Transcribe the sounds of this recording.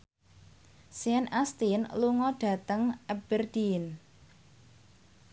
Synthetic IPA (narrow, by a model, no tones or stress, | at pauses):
siɛnʔast̪inluŋɔɖ̥ä̤t̪əŋɛb̥ərd̪̥in